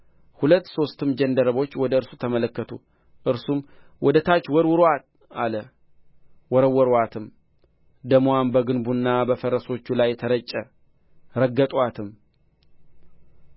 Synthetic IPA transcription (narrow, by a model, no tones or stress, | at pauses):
hulət̪ːso̞st̪ɨmd͡ʒənd̪əɾəβo̞t͡ʃːwɔd̪əɨɾsut̪ʰəmələkːət̪ʰṵ | ʔɨɾsum | wɔd̪ət̪ʰat͡ʃːwɔɾwʊɾat̪̚ | alə | wɔɾəwɔɾat̪ʰɨm | d̪əmwambəɡɨnbunːabəfəɾəso̞t͡ʃːulajt̪ʰəɾət͡ʃʼːə | ɾəɡːət̪ʼwat̪ʰɨm